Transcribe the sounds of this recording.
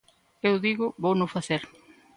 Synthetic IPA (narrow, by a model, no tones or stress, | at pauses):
ewðiɣʊβownʊfaθeɾ